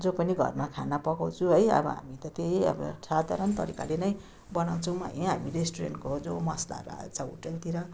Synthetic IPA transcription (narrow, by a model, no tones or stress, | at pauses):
d͡zopʌniɡʱʌ̰rmakʰanapʌkaw̃t͡sʰũɦʌjʌ̰bʌ̰ɦa̰mit̪ʌt̪eɦiʌ̰bʌ̰t͡sʰad̪ʱa̰ɾʌnt̪ʌ̰ɾika̰lenʌj | bʌnaw̃t͡sʰʌw̃ma̰ɦiɦamiɾesʈuɾḛnʈkod͡zomʌsla̰ɾa̰t͡saṵʈʌlt̪iɾʌ